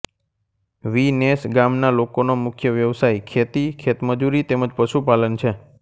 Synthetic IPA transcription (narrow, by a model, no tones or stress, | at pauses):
ʋinesɡamnalokonomʊkʰjəʋjəʋsajkʰet̪ikʰet̪məd͡ʒuɾit̪eməd͡ʒpəʃupalənt͡ʃʰe